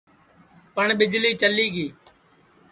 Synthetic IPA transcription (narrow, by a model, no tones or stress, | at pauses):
pəɳɓɪd͡ʒliːt͡ʃəliːɡiː